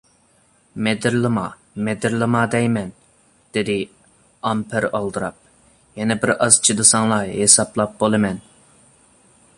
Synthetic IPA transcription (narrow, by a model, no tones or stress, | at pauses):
mɛd̪ɪɾlˠɨmɑ | mɛd̪ɪɾlˠɨmɑd̪ɛjmɛn | d̪̥ɪd̪ɪ | ɑmpʰɪɾɑlˠd̪ɨɾɑp̚ | jɛnɛbɪɾɑzt͡ʃʰid̪ɨsɑŋlˠɑhesɑplˠɑp̚bolˠɨmɛn